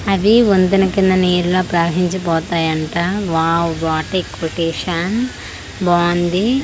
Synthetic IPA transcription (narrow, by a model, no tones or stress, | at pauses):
ɐd̪iond̪unɐkind̪ɐneːɾuloːpɾaːɾɦiɲt͡ʃɐpɔːt̪aːjɐɳʈaːʋaːwʋaːʈekoʈeːʂɐn | bɔːnd̪i